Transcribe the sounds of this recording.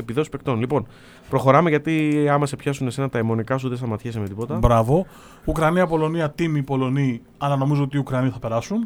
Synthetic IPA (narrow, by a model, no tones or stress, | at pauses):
epiðosi̥pe̞kt̪o̞nlipo̞n | pɾo̞xo̞ɾɐme̞ʝɐt̪iɐmɐse̞pçɐsunese̞nɐt̪ɐemo̞nikɐs̬uðesθɐmɐt̪çesemet̪ipo̞t̪ɐbɾɐvo̞ | ukɾɐniɐpo̞lo̞niɐt̪imipo̞lo̞ni | ɐlɐno̞mizo̞ot̪iːukɾɐniθɐpe̞ɾɐsun